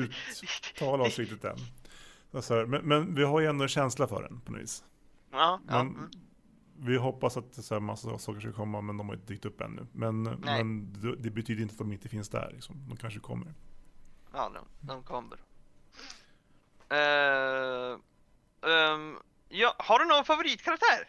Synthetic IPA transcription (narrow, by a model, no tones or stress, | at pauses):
ʉ̟ːt̪ʰːɑːlaɔsɾit̪ːət̪̚d̪ɛ̰n | at̪sɔhæːɾmɛnmɛnvɪɦaɾjəɛnd̪ɔɛnɕɛnslafœ̰ːɖɛ̰npʰɔnɔ̰vḭːs | mɛn | vɪɦɔpːasat̪sæmasːsɑːkəʂkakʰɔmːamɛnd̪ɔmhaɾɪ̰nt̪d̪yːk̚t̪ɵpːɛ̰nːʉ̰mɛnmɛnd̪ɛd̪ɛbɛt̪ʰyːd̪ɾɪnt̪at̪ɔmɪnt̪əfɪnsd̪æ̰ɭɪ̰ksɔmd̪ɔmkʰanʂəkʰɔ̰mːə̰ɾ | ɑ̰ːd̪̰d̪ɔmkʰɔmːə̰ɾ | jɑːhaɖɵnoːɡnfavʊɾiːt̪̚kʰaɾak̚t̪ʰæːɾ